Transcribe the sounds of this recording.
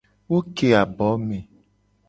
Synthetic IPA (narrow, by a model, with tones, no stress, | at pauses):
wo˦ke˨a˨bɔ˨˦me˨